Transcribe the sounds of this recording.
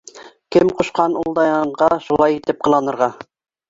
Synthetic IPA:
kʲʰɪmqʰoʃqʰɑnulˠd̪ɑjɑɴʁɑʃulˠɑjet̪ɪp̚qʰəlˠɑnəɾʁɑ

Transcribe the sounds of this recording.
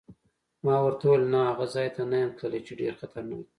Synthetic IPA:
mɑwaɾt̪olnaaɣazɑjt̪anajamkʰɽəlet͡ʃeɖeɾxat̪ʰaɾnawi

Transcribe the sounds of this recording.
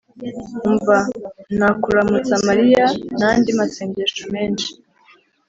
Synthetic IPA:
ɱvanakuɾamut͡samaɾijanandimaseːɲɟeːʃome̞ːnʃi̥

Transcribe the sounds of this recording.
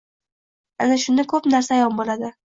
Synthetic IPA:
anaʃʊnɪkʰɵpnaɾsaːjɒnbolad̪ɪ

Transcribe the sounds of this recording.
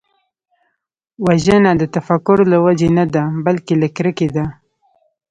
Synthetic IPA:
waʒənad̪ət̪afakʊɾlawad͡ʒenad̪abalkelakɾəked̪a

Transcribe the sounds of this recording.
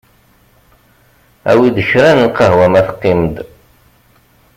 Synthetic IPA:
æ̰wid̪əçɾænəqəɦwæmæθqːɪmd̪

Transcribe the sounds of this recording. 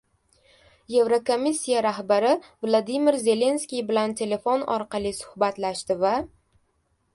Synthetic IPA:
je̞vɾokomisʲːijaɾahbaɾɪvlˠod̪imɪɾze̞le̞nskʲijbɪlant̪ʰe̞le̞fonɒ̰ɾqʰɑlˠisʊ̥hbat̪laʃt̪ɪva

